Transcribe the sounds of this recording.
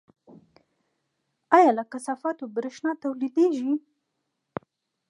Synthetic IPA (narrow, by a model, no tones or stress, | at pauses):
ɑjɑlakasɑfɑt̪obɾɪʃnɑt̪awlid̪eʒi